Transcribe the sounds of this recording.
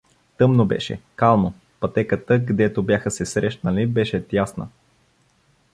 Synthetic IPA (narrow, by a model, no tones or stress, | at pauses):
t̪ɤmnobɛ̰ʃɛ̰kalˠno | pɐt̪ɛkət̪əɡd̪ɛt̪objaxəsɛsɾɛʃnəlibɛʃɛt̪jasnə̰